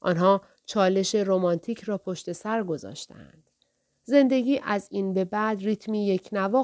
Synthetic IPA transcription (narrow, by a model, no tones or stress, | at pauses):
ʔɒ̰ːnɦɒː | t͡ʃʰɒːle̞ʃe̞ɾomɒnt̪ʰiːcʰɾɒːpʰo̞ʃt̪e̞sæɾɡo̞zɒ̰ːʃt̪ʰḛæ̰nd̪̥ | ze̞nd̪e̞ɟiːʔæziːnbe̞bæd̪riːt̪ʰmiːje̞cʰnævɒː